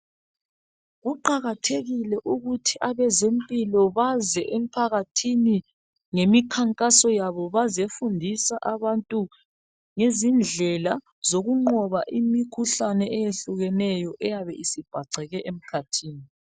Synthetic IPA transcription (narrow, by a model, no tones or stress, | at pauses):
ɣuǃaɣatʰeɣilɛʔuɣutʰiʔaβɛzempʼilɔβazɛʔem̩pʰaɣatʰini | ŋemikʰaŋkʼasɔjaβɔβazefundʱisaʔaβantʼu | ŋezind͡ɮʱɛla | zoɣuŋ͡ǃɔβaʔimikʰuɬanɛɛjeɬuɣɛnɛjɔʔɛjaβɛʔisib̥ʱaǀɛɣɛʔem̩kʰatʰiːni